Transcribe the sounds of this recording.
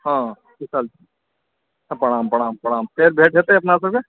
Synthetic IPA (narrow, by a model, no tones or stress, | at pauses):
ɦãː | isalt͡ʃ | pɐɽ̃aːmpəɽ̃aːmpɐɽ̃aːmt̪eːɾbʱeːʈ̚ʰɦeːt̪ːɐpnas̬əke